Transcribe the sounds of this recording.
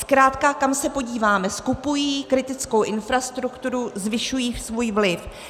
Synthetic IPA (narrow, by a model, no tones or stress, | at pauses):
skɾaːt̪kakamsɛpo̞ɟiːvaːmɛskupujiːkɾɪt̪ɪt͡skowʔɪnfɾast̪ɾukt̪uɾuzvɪʃujiːsvuːjvlɪf